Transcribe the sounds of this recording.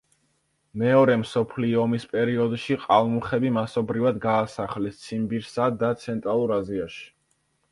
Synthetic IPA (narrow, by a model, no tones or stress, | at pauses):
mɛɔɾɛmsɔpʰliɔmispʼɛɾiɔd̪ʃiqʼalˠmuχɛbimasɔbɾivad̪ɡaːsaχlɛst̪sʰimbiɾsad̪at̪sʰɛnt̪ʼɾalˠuɾaziaʃi̥